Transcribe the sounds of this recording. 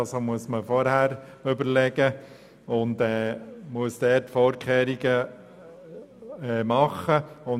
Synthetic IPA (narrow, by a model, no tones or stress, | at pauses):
somuəsməfɔɾhæːɾʏbəɾlɛɡ̥ə | ʊndɛːmuəsd̥ɛːtfɔːɾkχeːɾiɡə | ɛːmɑχːəʊ